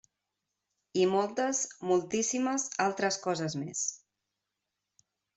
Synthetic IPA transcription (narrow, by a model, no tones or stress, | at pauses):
imɔlˠt̪əzmulˠt̪isiməzalˠt̪ɾəskɔzəzmes